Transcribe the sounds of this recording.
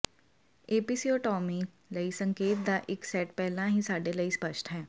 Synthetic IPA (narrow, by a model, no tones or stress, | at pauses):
eːpiːsiːoːʈɔːmiː | ləiːsəŋkeːt̪̚d̪aːʔɪksɛːʈpɛːlãːɦĩːsaːɖeːləiːspəʃʈɦɛː